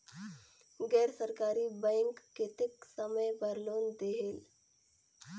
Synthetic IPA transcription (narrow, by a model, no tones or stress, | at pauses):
ɡɛɾsəɾkaɾiːbə̃jŋkːet̪eksəməjbʱəɾloːnd̪eɦel